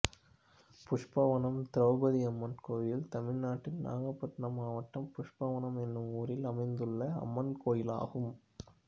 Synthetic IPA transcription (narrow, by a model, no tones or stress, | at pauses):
pʊʂpɐʋɐnɐmt̪ɪɾɐʋbɐðiɐmːɐnkoːjɪlt̪ɐmɪɻnaːʈːɪlna̰ːɣɐpːɐʈnɐmaːʋɐʈːɐmpʊʂpɐʋɐnɐmɛnːɯmuːɾɪlɐmɐɪnd̪ɯɭːɐɐ̰mːɐnkoːjɪla̰ːɣɯm